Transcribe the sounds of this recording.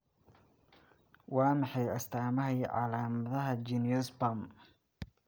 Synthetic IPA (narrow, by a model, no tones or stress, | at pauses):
wɑːmɑħɑjɐst̪ʰaːmɐɦɛjʕɑ̰laːmɐðɐɦɐd͡ʒinijɔsbɐm